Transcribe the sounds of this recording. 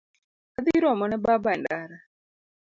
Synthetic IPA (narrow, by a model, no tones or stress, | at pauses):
ad̪iɾɔmɔnɛbabandaɾa